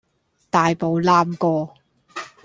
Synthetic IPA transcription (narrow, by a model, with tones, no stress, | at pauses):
t̪aː˨jpo˨wlaː˧mkɔː˧